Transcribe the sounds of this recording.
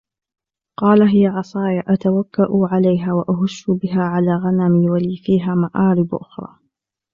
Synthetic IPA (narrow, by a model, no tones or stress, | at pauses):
qɑːlaɦɪjaʕɑsˤɑːjaʔat̪awakːaʔuʕalajɦaːwaʔaɦʊʃːʊbɪɦaːʕalaːɣanamiːwaliːfiːɦaːmaʕʔaːɾɪbʔʊ̰xɾˤɑ̰ː